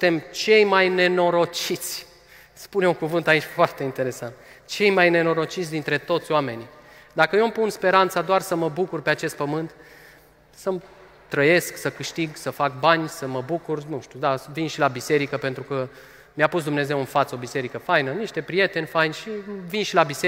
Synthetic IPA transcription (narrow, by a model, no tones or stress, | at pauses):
ɨnt̪e̞mt͡ʃe̞jmajne̞no̞ɾo̞t͡ʃit̪sʲ | spuneuŋkuvɨnt̪ait͡ʃʲfoart̪e̞int̪e̞ɾe̞sant̪ | t͡ʃe̞jmajne̞no̞ɾo̞t͡ʃit̪sʲd̪int̪ɾe̞t̪o̞t̪sʲoame̞ni | d̪akəjompunspe̞ɾant̪sad̪oarsəməbukurpe̞at͡ʃe̞st̪̚pəmɨnt̪ | səm | t̪ɾəje̞sksəkɨʃt̪iɡsəfak̚banʲsəməbukurnuʃt̪ud̪avinʃilabise̞ɾikəpe̞nt̪ɾukə | mjapus̬d̪umne̞ze̞wɨnfat̪səo̞bise̞ɾikəfajnəniʃt̪e̞pɾije̞t̪e̞nʲfajnʃivinʃilabise